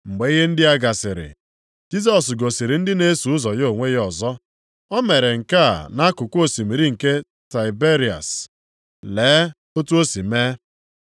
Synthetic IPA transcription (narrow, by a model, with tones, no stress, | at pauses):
ŋ͡m̩˨ɡ͡be˨˦i˦ɦe˦n̩˦dɪ˦a˦ɡa˨sɪ˨ɾɪ̰˨ | d͡ʒi˦s̬ɔ˨s̬ɡo˨si˨ɾi˨n̩˦dɪ˦ne˦su˨ʊ˦zɔ˨jo˨ŋʷe˦jɔ˨zɔ˦ | ɔ˦me˨ɾe˨ŋ̩˨ka˦˨na˦kʊ˨ko˦˨si˨mi˨ɾi˦ŋ̩˨ke˦ | ta˨ɪ˨be˦ɾi˨a̰˨s | leː˨˦ | o˦tu˦o˦si˨me˦